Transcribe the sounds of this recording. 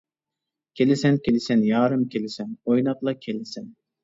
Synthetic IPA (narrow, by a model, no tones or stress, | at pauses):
kʲʰelɪsɛnkʲelɪsɛnjɑːɾɨmkʲʰelɪsɛnojnɑt̪lˠɑkʲʰelɪsɛn